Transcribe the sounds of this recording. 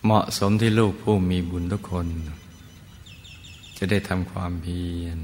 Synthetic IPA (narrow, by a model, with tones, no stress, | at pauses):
mɔ˨˩ʔso˩˦mt̪ʰiː˥˩luː˥˩k̚pʰuː˥˩miː˧bu˨˩˨nt̪u˥˩kʰːo˧n˨ | t͡ɕa˨˩da˥˩jt̪ʰa˧mkʰwaː˧mpʰiː˧˨n